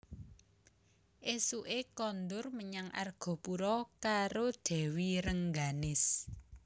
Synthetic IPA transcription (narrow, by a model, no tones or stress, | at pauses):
ʔesuʔekɔnd̪ʊrməɲaŋʔa̰rɡ̥ɔ̤puɾɔkaɾod̪̥ɛ̤wiɾəŋɡanɪs